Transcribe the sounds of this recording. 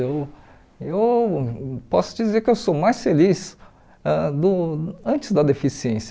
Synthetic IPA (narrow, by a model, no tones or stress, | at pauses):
ew | ew | pɔsʊd͡ʒizeɾkɪewsomajsfelis | ɛd̪ʊɐ̃nt͡ʃɪzd̪ɐd̪efisiẽs